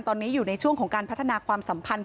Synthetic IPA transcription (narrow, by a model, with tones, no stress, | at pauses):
nt̪ɔː˧nːiː˦˥juː˨˩na˧jt͡ɕʰu˥˩əŋkʰɔː˩˦ŋkaː˧npʰt̪ʰːa˧naː˧kʰwaː˧msa˩˦mpʰa˧n